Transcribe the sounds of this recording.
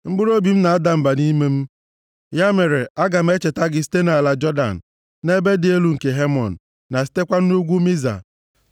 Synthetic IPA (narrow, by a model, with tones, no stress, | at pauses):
ŋ͡m̩˦ɡ͡bʊ˦ɾo˦bi˨m̩˦na˨a˦da˨m̩˨ba˨ni˦me˦m̩˦ | ja˦me˨ɾe˨a˦ɡa˨m̩˦e˦t͡ʃe˨ta˦ɡɪ˨si̥˦te˦na˨la˨d͡ʒɔ˦da̰˨n̩˨ | ne˦be˦dɪ˨e˦lu˨ŋ̩˨ke˨ɦe˦mɔ̰˨n̩˨ | na˨s̬i̥˦te˦kʷa˦n̩˦u˦ɡʷu˦mi˦za̰˨